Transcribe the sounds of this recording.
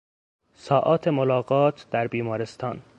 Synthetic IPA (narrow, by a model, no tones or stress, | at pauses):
sɒːʔɒːt̪ʰemolɒːɣɒːt̪ʰd̪̥æɾbiːmɒːɾest̪ʰɒːn